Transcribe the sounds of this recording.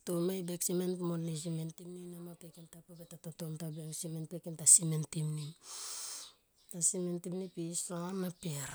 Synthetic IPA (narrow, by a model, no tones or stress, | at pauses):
tomajbeksimenpmolis̬imentimninamapekentapabetatotomtabesimenpekentasimentimni | tasimentimnipisaanapeɾ